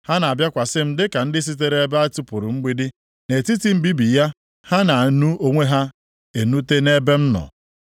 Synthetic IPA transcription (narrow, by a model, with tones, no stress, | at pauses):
ha˦na˨a˨bja˦kʷa˨sɪ˦m̩˦dɪ˦ka˨n̩˦dɪ˦s̬i˦t̬e˦ɾe˦be˦a˦tu˦pʊ˨ɾʊ˨ŋ͡m̩˦ɡ͡bi˦dɪ˦ | ne˨ti˦ti˦m̩˦bi˦bi˨ja˦ | ha˦na˨nu˦o˦ŋʷe˦ɦa˦ | e˨nu˦te˦ne˦be˦m̩˦nɔ̰˨